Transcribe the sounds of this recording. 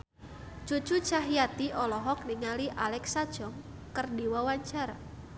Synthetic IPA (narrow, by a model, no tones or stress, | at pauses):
t͡ʃut͡ʃut͡ʃaɦijat̪iʔɔlɔɦɔk̚niŋaliʔalɛksad̥ʒ̥ɔŋ | kərdiwawaɲt͡ʃaɾa̰